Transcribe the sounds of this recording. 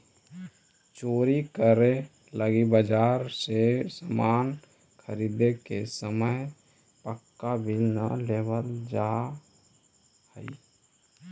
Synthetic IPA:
t͡ʃoːɾikəɾe | ləɡibəd͡ʒaːɾsesamaːn | kʰəɾid̪ekesəməj | pəkːabilna̰lebəld͡ʒa | hə̰i

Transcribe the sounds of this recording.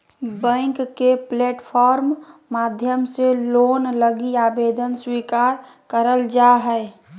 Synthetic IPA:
bə̃ŋkkepleːʈpʰɔɾmːad̪ʱjəmselonləɡiabed̪ənswikaɾ | kəɾəld͡ʒaɦɛ

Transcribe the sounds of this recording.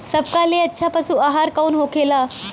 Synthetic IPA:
səb̚kaleətːɕʰapasuːaɦaɾkaunɦokela

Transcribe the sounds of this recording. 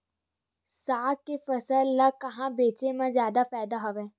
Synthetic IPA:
saːkefɐsəlːakɐɦãbeːt͡ʃemãzjaːd̪apɛːd̪aɦoʋẽː

